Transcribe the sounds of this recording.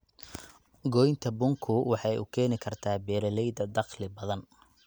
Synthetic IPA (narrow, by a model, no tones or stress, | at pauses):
ɡɔjnt̪ʰɐbʊŋkʰʊwɑħɑjʔʊ̰kʰɛːnɪkʰɐrt̪ʰaːbɛːɾɐlɛjd̪ɐd̪ɑqlɪbɐðɐn